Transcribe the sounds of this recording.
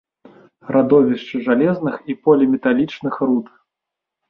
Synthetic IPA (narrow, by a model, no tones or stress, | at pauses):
rʔad̪ɔvʲiʂt͡ʂɨʐalʲɛznɨxipɔlʲimʲɛt̪alʲit͡ʂnɨxrut̪